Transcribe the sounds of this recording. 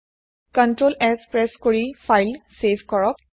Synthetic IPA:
kəɳʈɾolekspɾɛskoɭifajlseʋkɔɭɔk

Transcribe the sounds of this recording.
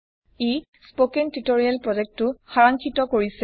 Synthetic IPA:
e | spokentitoɹialpɹɔd͡ʒɛk̚tːʊxaɹaŋkʰitɔkoɹisɛ

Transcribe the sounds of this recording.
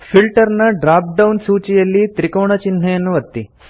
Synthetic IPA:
fʰilʈɐɾnɐɖɾaːp̚ɖɐwnsuːt͡ʃijɐlːit̪ɾikɐwɳɐt͡ʃinɦejɐnːuʋɐt̪ːi

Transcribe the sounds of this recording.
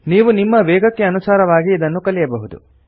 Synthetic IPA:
niːʋunimːɐʋɛːɡɐkːeɐnusaːɾɐʋaːɡiːd̪ɐnːukɐlijɐbɐɦud̪ṵ

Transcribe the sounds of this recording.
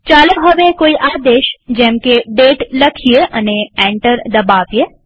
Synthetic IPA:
t͡ʃaːləɦoʋẽkoːiʔaːd̪eːʃd͡ʒɛ̃ːmkeɖeːʈlɐkʰieʔɐ̰neɛ̃ːɳʈəɾd̪ɐbaːʋie

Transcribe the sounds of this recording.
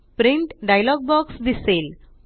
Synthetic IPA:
pɾiɳʈɖajlɔɡ̚bɔksd̪isel

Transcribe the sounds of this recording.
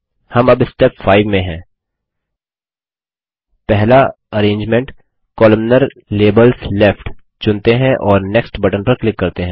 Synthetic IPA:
hɐmɐbɪsʈeːpfaːɪʋmẽɦɛ̃ː | pɛɦla | ɐɾẽːɲd͡ʒmẽɳʈ | kɔːləmnəɾleːbəlsleːfʈ | t͡ʃʊ̃nt̪eɦɛ̃ʔɔːɾnɛksʈbɐʈə̃npəɾklɪkːɐɾt̪eɦɛ̃ː

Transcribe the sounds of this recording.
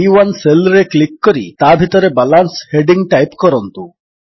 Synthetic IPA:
iwanselɾeklikːɔɾḭt̪abʱit̪ɔɾebalansheɖiŋɡʈajpkɔɾɔnt̪u

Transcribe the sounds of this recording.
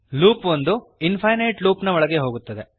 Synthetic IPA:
luːpʋond̪u | inpʰɐjnɐjʈluːpnɐɔɭɐɡe̞ɦo̞ːɡut̪ːɐd̪e̞

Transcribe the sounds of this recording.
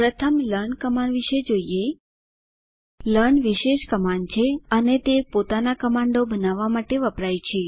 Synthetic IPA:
pɾət̪ʰəmləɾnkəmaɳɖʋiʃed͡ʒoije | ləɾnʋiʃeʃkəmaɳɖt͡ʃʰeənet̪epot̪anakəmaɳɖobənaʋːamaʈeʋəpɾajt͡ʃʰe

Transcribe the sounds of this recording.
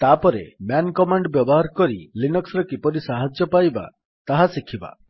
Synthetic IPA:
t̪apɔɾḛmjankɔmaɳɖbjɔbɔɦaɾkɔɾḭlinɔksɾɔkipɔɾisaɦad͡ʒjɔpajba̰ | t̪aɦasikʰiba̰

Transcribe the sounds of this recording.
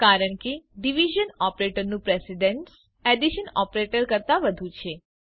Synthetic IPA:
kaɾəɳkeɖiʋiʒənɔpɾeʈəɾnũpɾɛsiɖeɳʈs | eɖiʃənɔpɾeʈəɾkəɾt̪aʋəd̪ʱũt͡ʃʰe

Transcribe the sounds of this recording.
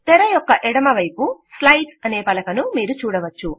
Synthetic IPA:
t̪ɛɾɐjɔkːɐʔɛɽɐmɐʋɐjpuslɐjʈsɐne̞ːpɐlɐkɐnumiːɾut͡ʃuːɽɐʋɐt͡ʃːu

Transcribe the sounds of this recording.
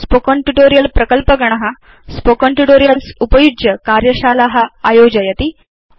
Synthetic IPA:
spokəɳʈuʈoɾijɐlpɾɐkəlpəɡɐɳ̃ɐɦa | spokəɳʈuʈoɾijɐlsupəjud͡ʒjəkaɾjɐɕaːlaɦaajod͡ʑɐjɐt̪i

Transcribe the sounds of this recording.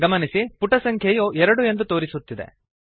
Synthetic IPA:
ɡɐmɐnisipuʈɐsɐŋkʰjɐjuːɛɾɐɽue̞nd̪ut̪o̞ːɾisut̪ːid̪ḛ

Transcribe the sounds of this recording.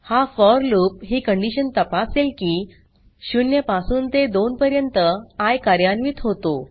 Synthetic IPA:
hafɔɾlup̚ɦiːkəɳɖiɕənt̪əpaselkiː | ɕunjəpasuːnt̪ed̪onpəɾjənt̪əajkaɾjanʋiːt̪ɦot̪o

